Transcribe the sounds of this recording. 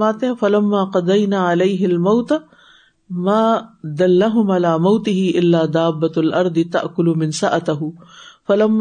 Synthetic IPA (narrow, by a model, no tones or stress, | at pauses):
aːt̪ɪɦafɐlɐmːaːqɑd̪ɐjnaːʕalejɦɪlmawt̪a | maːd̪ɐlːaɦʊmʕalaːmawt̪ɪɦɪʔɪlːaːd̪aːbːalʔɐɾˤd̪ɪt̪a̰ʔkʊlʊmɪnsaʔat̪aɦʊfɐlɐmː